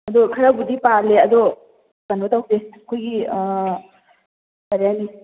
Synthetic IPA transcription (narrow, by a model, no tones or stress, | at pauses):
ɐd̪ɔkʰɐɾabudipaɾleɐd̪ɔ | kanbatawdeɐkʰojɡi | kaɾjani